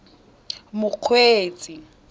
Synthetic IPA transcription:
mʊq͡χʰweːt͡sʼi

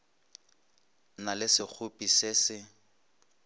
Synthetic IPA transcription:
nalɪsɪk͡xʰʊpʼisɪsɪ

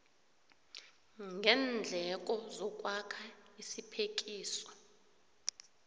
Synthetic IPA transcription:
ŋɡʱɛːnd͡ɮʱɛk̬ʼɔzɔkʼwakʰaisipʰek̬ʼiːsɔ̥

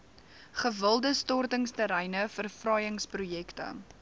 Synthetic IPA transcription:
χəvəlˠdəstɔrtəŋstəɾɛjnəfərfrɐjəŋsprujɛktə̰

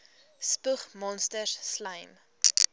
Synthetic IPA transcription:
spuχmɔnstərslɐjm

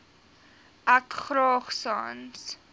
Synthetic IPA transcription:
ʔækχɾɑːχsɑ̰ːns

